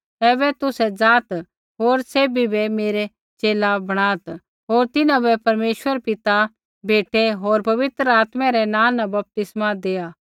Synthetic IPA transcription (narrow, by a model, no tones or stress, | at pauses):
ɛːbɛt̪ʊsɛd͡zaːt̪ | ɦoːɾseːbʱibɛmeːɾɛ | t͡ʃeːlabɐɽ̃aːt̪ | ɦoːɾt̪ɪnãbɛpɐɾmeːʃwəɾpɪt̪a | bʱeːʈeɦoːɾpɐʋɪt̪ɾəaːt̪mɛ̃ɾɛnãːnɐbɐp̚t̪ɪsmad̪eːaː